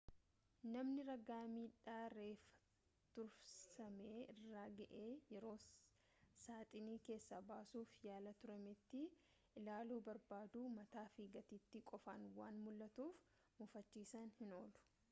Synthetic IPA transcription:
nɐmnɪɾɐɡaːmiːᶑaːɾe̞ːfɐ̥ | t̪ʊɾssɐmeːɪrːaːɡɐʔe̞ːjɛɾo̞ː | saːt̪ʼɪniːke̞ːsːɐbaːsuːfjaːlɐt̪ʊɾɐmɪt̪ːɪ | ʔɪlaːluːbɐɾbaːd̪uːmɐt̪aːfiːɡɐt̪iːt̪ːɪkʼɔfanwaːnmʊlːɐt̪uːf | mʊfɐt͡ʃːiːsɐnhɪno̞ːlʊ̥

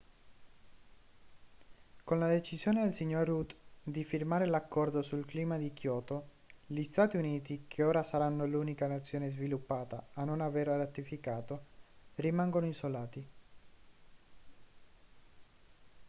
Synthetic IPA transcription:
konlad̪et͡ʃizjoːned̪elsiɲːorːut̪d̪ifirmaːɾelakːɔrd̪osulkliːmad̪ikjɔːt̪o | ʎist̪aːt̪iuniːt̪ikʰeoːɾasaɾanːoluːnikanat̪sːjoːnezvilupːaːt̪aːnːonaveɾarat̪ifikaːt̪orimaŋɡonoisolaːt̪i

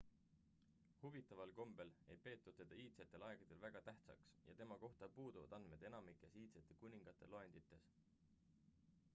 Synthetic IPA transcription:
huvit̪ːˑɑvɑlko̞mb̥e̞le̞jpe̞ːt̪ːˑut̪ːed̪̥ɑiːt̪set̪ːˑe̞lɑeɡ̥ɑd̪̥e̞lvæɡ̥ɑt̪æht̪sɑ̰ksjɑ̰t̪e̞mɑko̞ht̪ɑpuːd̪̥uvɑ̰d̪ɑnd̪̥me̞d̪e̞nɑmikːˑe̞siːt̪set̪ːˑekunʲiŋɡ̥ɑt̪ːˑe̞̰loe̞nd̪̥it̪ːˑe̞s

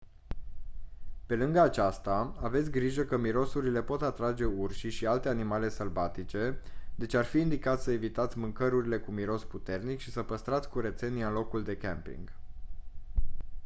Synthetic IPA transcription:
pe̞lɨŋɡəat͡ʃast̪aave̞t̪sʲɡɾiʒəkəmiɾo̞suɾile̞po̞t̪at̪ɾad͡ʒe̞urʃiʃialt̪e̞animale̞səlvat̪it͡ʃe̞d̪e̞t͡ʃarfiːnd̪ikat̪ssəe̞vit̪at̪sʲmɨŋkəɾuɾile̞kumiɾo̞sput̪e̞rnikʃisəpəst̪ɾat̪sʲkuɾe̞t̪se̞nianlo̞kuld̪e̞kḛmpḭŋɡ

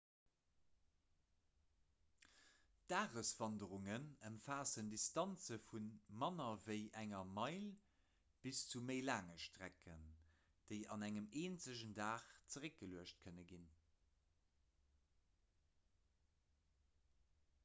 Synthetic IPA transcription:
d̥aːʁəsv̥ɑndəʁuŋənəmfaːsəndistɑnt͡səfunmɑnɐvəɪʔæŋɐmɑɪl | b̥ist͡suməɪlaːŋəʃtʁækʰə̰n | d̥əɪɑ̰næŋəmeːnt͡səʑəndaːχt͡səʁək̚ɡ̥əluəʃt̚kʰənəɡin

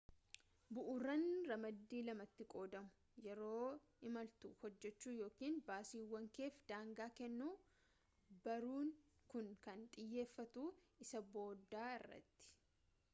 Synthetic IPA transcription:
bʊʔʊrːɐnɾɐmɐd̪ːiːlɐmɐt̪ːɪkʼo̞ːd̪ɐmʊ̥ | jɛɾo̞ː | ɪmɐlt̪uːhɔd͡ʒːɛt͡ʃːuːjo̞ːkiːnbaːsiːwːɐŋke̞ːfd̪aːŋɡaːkɛnːuː | bɐɾuːŋkʊnkɐnt̪ʼɪjːe̞ːfːɐt̪uːɪsɐbo̞ːd̪ːaːɪrːɐ̰t̪ːɪ̥

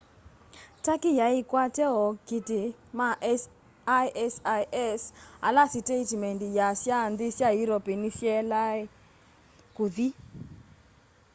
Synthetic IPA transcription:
takijaikwatɛɔkitɪmaʔ | ajʔɛsaʔɛsa̰lasitetmɛndijasjandɪsjajuɾɔpenisjɛlae | kuði

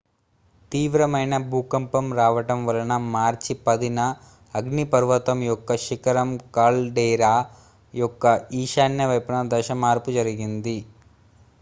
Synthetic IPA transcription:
t̪iːʋɾɐmɐjnɐbʱuːkɐmpɐmɾaːʋɐʈɐmʋɐlɐnɐmaːɾt͡ʃipɐd̪inɐː | ɡnipɐɾʋɐt̪ɐmjɔkːɐʃikɐɾɐmkaːlɖɛːɾaː | jɔkːɐiːʃaːnjɐʋɐjpɐnɐd̪ɐʃɐmaːɾpud͡ʒɐɾiɡind̪i

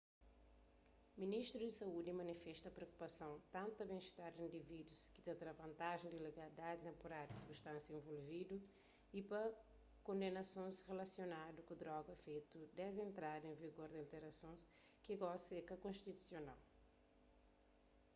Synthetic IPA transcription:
miniʃt̪ɾud̪isɐud̪imɐnifɛʃt̪ɐpɾeoku̥pɐsɐ̃w̃t̪ɐ̃nt̪uɐbẽʃt̪aɾd̪ĩnd̪ivid̪uski̥t̪ẽt̪ɾavɐ̃nt̪aʒẽd̪ileɡɐlid̪ad̪it̪ẽmpoɾaɾd̪isibuʃt̪ɐ̃sjɐẽvolvid̪u | ipɐ | kõnd̪enɐsõj̃zʁelɐsjonad̪ukud̪ɾɔɡɐfejt̪ud̪ezẽnt̪ɾad̪ẽviɡoɾd̪ialt̪eɾɐsõj̃skiɡasekɐkõʃt̪it̪u̥sjona̰l

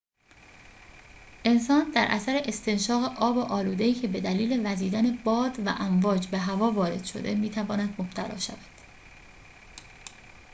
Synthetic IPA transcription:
ʔe̞nsɒːnd̪æɾʔæ̰sæɾeʔest̪ʰe̞nʃɒːɣeʔɒːboʔɒːluːd̪e̞iːcʰe̞be̞d̪æliːle̞væziːd̪æne̞bɒːd̪væ̰ʔæɱvɒːd͡ʒbe̞ɦævɒːvɒːɾe̞̰d̪̥ʃo̞̰d̪emiːt̪ʰævɒːnæd̪mob̥t̪ʰælɒ̰ːʃæ̰væd̪̥

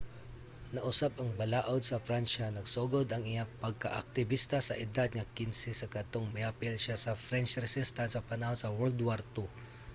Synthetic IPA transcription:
nɐʔʊsabɐŋbɐlaʔod̪̚sɐfɾanʃanɐɡsoɡod̪ɐŋɪjapɐɡ̚ka̰ʔɐ̰k̚t̪ɪbist̪asɐʔɪd̪ad̪̚ŋɐkɪnsɪsɐkɐt̪oŋmɪjapɪlʃasɐfɾɛnt͡ʃɾɛsɪst̪ansɐpɐnahonsɐwɛld̪waɾt̪ʊ

